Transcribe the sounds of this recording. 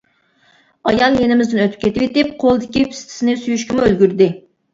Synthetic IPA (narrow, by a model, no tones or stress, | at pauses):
ɑjɑnjenɪmɪzd̪ɪnøt̪ʰyp̚kʲʰet̪ɪpet̪ɪp̚qʰolˠɨd̪ɪkʲipʰi̥st̪ʰɪ̥sɪnɪsyjyʃkʲɪmuølɡʲyɾd̪ɪ